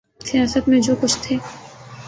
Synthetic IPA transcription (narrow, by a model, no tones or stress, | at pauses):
sijaːsət̪mẽd͡ʒoːkʊt͡ʃʰt̪ʰeː